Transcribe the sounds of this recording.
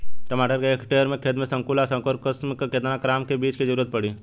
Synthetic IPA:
ʈɐmaːʈəɾkeekʈeːɾmẽkʰeːt̪mẽsə̃ŋkulasə̃ŋkoɾkəsməkkeːt̪nakɾaːmkebiːt͡ʃkid͡ʒəɾuːɾət̪̚pɐɽiː

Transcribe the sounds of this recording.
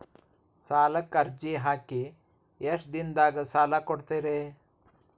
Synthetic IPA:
saːlɐkɐɾd͡ʒiɦaːki | eʂʈd̪ind̪aːɡɐsaːlakɔɽt̪eːɾe

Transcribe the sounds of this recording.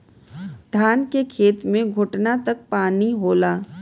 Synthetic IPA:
ɖʱaːnkekʰeːt̪mẽɡʱʊʈnat̪ɐk̚paːniɦoːlaː

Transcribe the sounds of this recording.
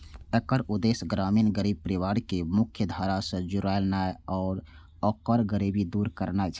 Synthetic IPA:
ekəɾud̪esɡɾaminɡəɾib̚pɾiʋaɾkebmukʰjəd̪ʱaɾasə̃d͡ʒuɾaɪlnaeɔːɾ | ɔkəɾɡəɾibid̪uɾkəɾnajt͡ʃʰ

